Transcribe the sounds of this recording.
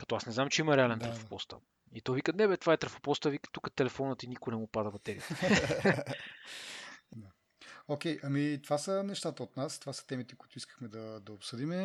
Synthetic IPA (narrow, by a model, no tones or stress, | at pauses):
kɐ̥t̪ɔasnɛznamt͡ʃɛimɐɾɛalɛnt̪ɾɐfo̥pɔst̪ə̰ | it̪ɔvikənɛbɛt̪ovaɛt̪ɾɐfo̥pɔst̪əvikə̥t̪ukət̪ɛlɛfɔnət̪inikʊnɛmupad̪əbɐt̪ɛɾiət̪ | d̪a | okʲɛjʔɐmit̪ovasənɛʃt̪at̪əot̪nast̪ovasə̥t̪ɛmit̪ɛkʊit̪ʊiskə̥xmɛd̪ɐd̪ɐopsɤd̪imɛ